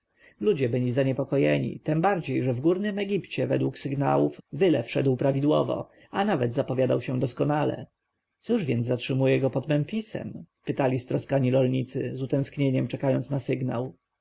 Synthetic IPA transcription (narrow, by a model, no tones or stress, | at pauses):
lud͡ʑɛbɘlʲizaɲɛpɔkɔjɛ̰ɲḭt̪ɛmbaɾd͡ʑejʐɛvɡuɾnɘmɛɡʲipt͡ɕɛvɛ̰d̪wuksɘɡna̰wufvɘlɛfʂɛd̪wpɾavʲid̪wɔ̰vɔ̰ | anavɛd̪zapɔvʲjad̪awɕɛ̃d̪ɔskɔnalɛ̰ | t̪suʐvʲjɛnzːatʂɘmujɛɡɔpɔd̪mɛnfʲisɛ̰mpɘt̪alʲist̪ɾɔskaɲiɾɔlɲit̪sɘ̰zut̪ɛ̃skɲeɲɛmt͡ʂɛkajɔnt̪snasɘɡna̰w